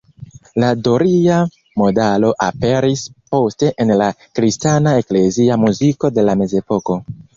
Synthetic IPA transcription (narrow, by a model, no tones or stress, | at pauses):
ladoɾia | mo̞dalo̞ʔape̞ɾispo̞ste̞ʔenlakɾistanae̞kle̞ziamuziko̞de̞lame̞ze̞po̞ko̞